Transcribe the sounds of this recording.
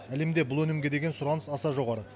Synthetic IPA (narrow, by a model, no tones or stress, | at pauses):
æle̞md̪e̞bʊlˠwɵnɪmɡʲe̞d̪e̞ɡʲensʊɾɑnəsɑsɑʒo̞ʁɑɾə